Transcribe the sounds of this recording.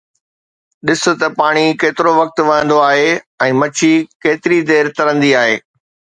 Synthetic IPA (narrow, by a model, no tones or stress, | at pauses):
ɗɪsʊ̆t̪ɐpaːɽ̃ikeːt̪ɪɾoʋɐk̚t̪ʋɐɦə̃nd̪oaːɦe | ɛ̃ːmɐt͡ɕʰikeːt̪ɪɾid̪eːɾt̪ɐɾə̃nd̪iaːɦḛː